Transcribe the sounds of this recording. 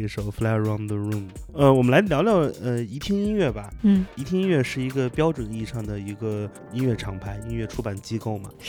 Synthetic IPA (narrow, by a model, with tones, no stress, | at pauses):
ʂo˨˧˩ʊfla˥˧ɹa˥˩ʊnd̪ə˨ɻu˥˩mə˧wɔ˨˩mə˦la˧˥ɪljɑ˧˥ljɑ˥˩ʊə˧i˧˥t̪ʰjɛ˥ni˥nɥɛ˥˩bɐ˩˥˩i˧˥t̪ʰjɛ˥ni˥n˥ɥɛ˥˧ʂɻ̩˥˩i˧˥ɡə˧pjɑ˥ʊʈ͡ʂwə˨˩ni˥˧ʂɑ˥˩ŋd̪ə˩i˧˥ɡə˧ | i˥nɥɛ˥˩ʈ͡ʂʰɑ˨˩ŋpʰa˧˥ɪi˥nɥɛ˥˩ʈ͡ʂʰu˥pa˨˩nt͡ɕi˥ko˥˩ʊmɐ̰˩